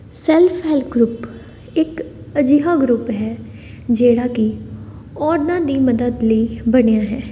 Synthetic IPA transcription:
sɛːlpʰɦɛlɡɾʊp | ɪkəd͡ʒiːɦaːɡɾʊpɦɛː | d͡ʒeːɽaːki | ɔːɾnãːd̪iːməd̪əd̪ləiːbəɽejaːɦɛː

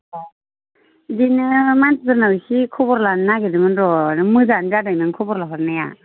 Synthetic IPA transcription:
ɔ | dinɯmantʰtɯɾnawisikʰɔbɔɾlanːaɡedɯmɯnɾɔnɯmɯzandadanɯŋkʰɔbɔɾlaɦɔɾnaja̰

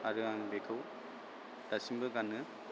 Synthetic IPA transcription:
aɾɯaŋbekʰɯw | d̥asimbɯɡanːɯ

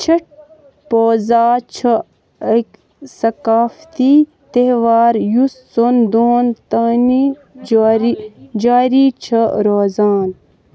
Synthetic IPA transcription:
t͡ʃʰɐʈ̚ | poːzaːt͡ʃʰɐ | ɐk | sɐkaːft̪iː | t̪eɦʋaːɾjusːond̪ont̪ɐni | ɾid͡ʒaːɾiːt͡ʃʰɐɾoːzaːn

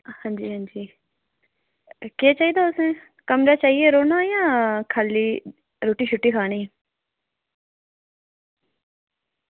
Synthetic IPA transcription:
hãːɲd͡ʒiːɦãːɲd͡ʒiː | keːt͡ʃaːiːd̪aːʊsnẽː | kəmɾaːt͡ʃaːieːɾoːnãːjãːkʰaːlːiː | ɾoːʈiːʃʰʊʈːiːkʰaːɽ̃iː

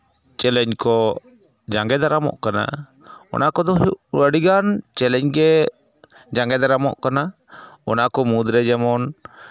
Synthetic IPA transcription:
t͡ʃɛlɛɲkɔ | d͡ʒaŋɡɛd̪aɾamɔ̰ʔkana̰ | ɔ̰nakɔd̪ɔəɽiɡant͡ʃɛlɛɲɡɛ | d͡ʒaŋɡɛd̪aɾamɔ̰ʔkana | ɔnakɔmud̪ɾɛd͡ʒɛmɔn

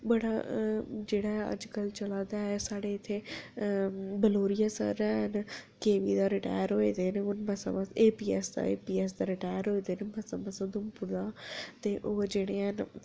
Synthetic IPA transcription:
ɓɐɽa | d͡ʒeːɽaɦɛɐ̰d͡ʒkəlt͡ʃɐlaːd̪aɦɛsaːɽeɪt̪ʰe | bəloːɾijasə̰ɾɛɦnkeːʋid̪aɾɪʈa̰ːjəɾɦoːed̪eːneʊnbɐsa̰maseːpiːɛsd̪a̰ḛːpiːɛːs̬d̪aɾɪʈaːjəɾɦoed̪enɪbɐsãmɐsãd̪ʊmpʊɾd̪aːt̪eʔod͡ʒeːɽ̃ean

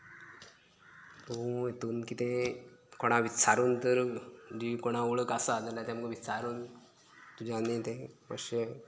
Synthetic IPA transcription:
t̪oujet̪uːnkit̪ekoɽ̃aʋisʰaɾuːnt̪əɾd͡ʑikoɽ̃aoɭəkasad͡zalːat̪aməɡəʋisaɾuːn | t̪ud͡ʑʱanit̪epə̰ɕe

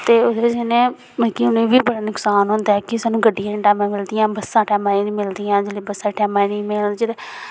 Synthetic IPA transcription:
t̪eːʊd̪eːbɪd͡ʒenẽː | məkiʊnẽːbiːbəɽaːnʊksaːnɦʊ̃nd̪ɛːkɪsaːnũːɡəɖːijãːʈɛːmãːmɪld̪ɪjãːbəsːãːʈɛːmãːiːnĩːmɪld̪ijãːd͡ʒɪlːbəsãːʈɛːmãːinĩːmɪld͡ʒɪd̪eː

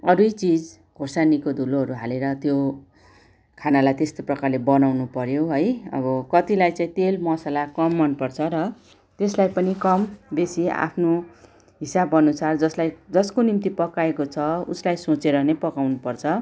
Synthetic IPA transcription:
ʌɾujt͡sid͡z | ɡʱosanikod̪ʱuloɦʌɾuɦaleɾʌt̪jo | kʰanalajt̪est̪oprʌkarlebʌnawnupʌɾjoɦʌjʌ̰bʌkʌt̪ilajt͡saĩt̪elmʌsalakʌmːʌnpʌrt͡sʰʌɾʌ | t̪eslajpʌnikʌmb̪esia̰pʰno | ɦisabʌnusard͡zʌslajd͡zʌskonimt̪ipʌkaekot͡sʰʌuslajsot͡seɾʌnepʌkawnupʌrt͡sʰʌ

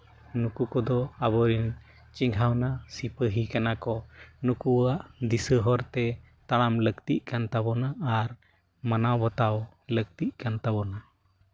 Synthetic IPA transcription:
nukukɔd̪ɔabɔɾin | t͡ʃiŋɡʱawnasipəɦikanakɔnukuwaʔd̪isəɦɔɾt̪ɛ | t̪aɽamləkt̪iʔ̚kant̪abɔnaːɾ | manawbɔt̪aw | lək̚t̪iʔ̚kant̪abɔna

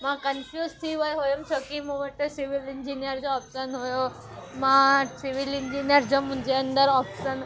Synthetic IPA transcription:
mãkənfjuːzt̪ʰiʋəjɦojomt͡ɕʰokimũʋəʈːsiʋilɪɲd͡ʑinijəɾd͡ʑoɔːpʃənɦojo | mãsiʋilɪɲd͡ʑiːnijəɾd͡ʑomʊ̃ɦɪ̃ɲd͡ʑeɐnd̪əɾɔːpʃən

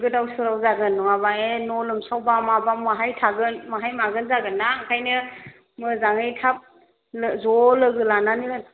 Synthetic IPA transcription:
ɡɯdawsɯɾawzaɡɯnːɔŋabaenɔlɯmsawbamabamaɦajtʰaɡɯnmaɦajmaɡɯnzaɡɯnːakʰajnɯ | mɯzaŋɯjtʰap̚ | zɔlɯɡɯlananiɾɯn

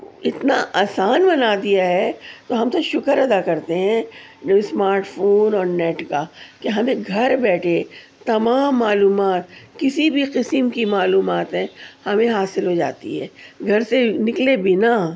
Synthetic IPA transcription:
ɪt̪na̰ʔaːsaːnbɐnaːd̪ijaɦɛt̪oɦɐmt̪oʃʊkəɾɐd̪akɐɾt̪eɦɛ̃smaːɾʈfʰoːnɔːɾnɛːʈkakeɦɐmẽɡʱɐɾbɛːʈʰet̪ɐmaːmːaːluːmaːt̪̚kɪsibʱiqɪsəmkimaːluːmaːt̪ɦɛ̃hɐmẽɦaːsɪlɦod͡ʒa̰ːt̪ḭɦɛ̰ːɡʱɐɾsenɪklebɪna

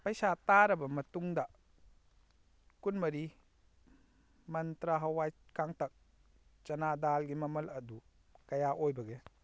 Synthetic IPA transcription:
pɐjsataɾɐbɐmɐtuŋdɐ | kunmɐɾi | mɐnt̪ɾaɦɐwajkaŋtɐk̚ | t͡ʃɐnadalɡimɐmɐlɐdu | kɐjaʔojbɐɡe

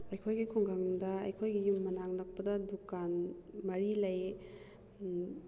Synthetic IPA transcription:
ɐjkʰojɡikʰoŋɡaŋdɐɐjkʰojɡijumːɐnaŋnɐk̚pɐdɐdukanmɐɾilɐj

